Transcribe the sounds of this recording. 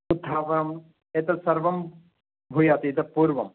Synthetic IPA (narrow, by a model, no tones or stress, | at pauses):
ut̪ʰːaːʋɐɐm | et̪ɐsɐɾʋɐm | bʱujaːt̪iːt̪ɐpuːɾʋɐ̰m